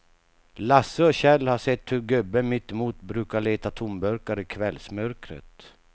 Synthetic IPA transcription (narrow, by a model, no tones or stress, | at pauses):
lasːəɔɕɛlhaʂɛt̪ːhɵɾɡɵbːəmɪt̪ːɪmuːt̪bɾʉ̟ːkaɭeːt̪at̪ʰʊmbœɾkaɾɪkʰvɛlsmœɾkɾə̰t̪